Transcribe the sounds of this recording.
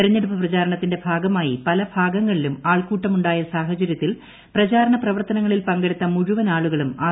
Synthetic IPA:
ɐɾɐɲːe̞ɽupːɐprɐt͡ɕaːɾɐɳɐt̪ːinde̞bʱaːɡɐmaːjipɐlɐbʱaːɡɐŋːɐɭilumaːɭkuːʈːɐmuɳɖaːjɐsaːɦɐt͡ɕɐɾjɐt̪ːil | prɐt͡ɕaːɾɐɳɐprɐʋɐrt̪ɐnɐŋːɐɭilpɐŋɡeɽit̪ːɐmuɻuʋɐnaːɭuɣɐɭumaː

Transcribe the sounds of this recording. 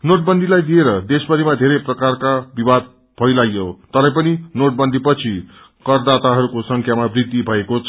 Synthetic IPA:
noʈ̚bʌnd̪ʱilajd̪ieɾʌd̪esbʌɾimad̪ʱeɾeprʌkarkabibad̪̚ | pʰʌjlajjot̪ʌɾʌ̃jpʌninoʈ̚bʌnd̪ʱipʌt͡sʰi | kʌrd̪at̪aɦʌɾukosʌŋkʰjamabrid̪ːibʱʌekot͡sʰ

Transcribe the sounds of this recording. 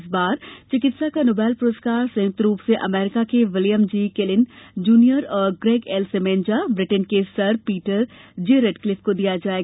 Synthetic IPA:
sbaːɾt͡ʃɪkɪt̪sakanoːbɛːlpʊɾoskaːɾsɐ̃jʊk̚t̪ɾuːpseʔɐmɛːɾɪkakeʋɪljəmd͡ʒiːkelɪnd͡ʒuːnijəɾɔːɾɡɾeːɡɛlsemẽːnd͡ʒabɾɪʈənkesɐɾpiːʈəɾd͡ʒeɾeɖklɪfʰkod̪ijad͡ʒaːeː

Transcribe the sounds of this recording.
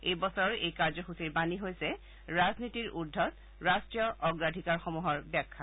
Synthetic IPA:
ejbɔsɔɹɔɹʔejkaɹzɔxusiɹbaniɦojsɛ | ɹaznitiɹʔudʱːɔt | ɹastɹijɔʔɔɡɹadʱikaɹxɔmuɦɔɹbɛkʰːa

